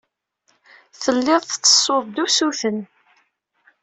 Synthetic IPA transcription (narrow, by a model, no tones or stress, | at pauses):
θəlːɪðˤθt͡sːə̥sˤːoðˤd̪usuθən